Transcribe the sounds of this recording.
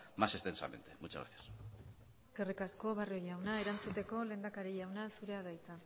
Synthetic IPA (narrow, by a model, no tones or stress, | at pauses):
mase̞st̪e̞nsa̰me̞̰nt̪e̞mut͡ʃazɣɾa̰θjḁs | eske̞rikasko̞βariojawnae̞ɾant͡sut̪e̞ko̞le̞ːnd̪akaɾiʎawnasuɾe̞að̞ajt͡sa